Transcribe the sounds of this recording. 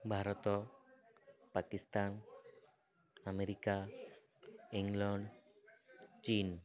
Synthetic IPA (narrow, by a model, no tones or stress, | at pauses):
bʱaɾɔt̪ɔ | pakist̪an | ameɾika | iŋɡlɔɳɖ | t͡ɕin